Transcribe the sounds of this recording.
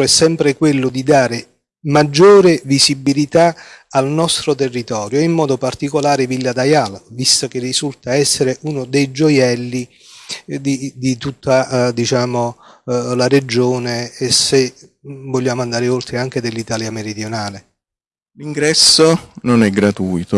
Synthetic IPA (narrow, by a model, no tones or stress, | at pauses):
ɛsːɛmpɾekwelːʊd̪id̪aːɾe | mad͡ʒːoːɾɪvisibilit̪aalnɔst̪ɾot̪erːit̪ɔːɾjoɛimːɔːd̪opart̪ikolaːɾɪvilːad̪ajalvist̪ok̟erːizult̪aɛsːeɾeʔunod̪ejd͡ʒojɛlːi | d̪id̪it̪ut̪ːad̪it͡ʃaːmolaɾed͡ʒːoːneːsevoʎːaːmoand̪aːɾeolt̪ɾeaŋk̟ed̪elːit̪aːljameɾid̪jonaːle | liŋɡɾɛsːononɛɡɾat̪uːjt̪o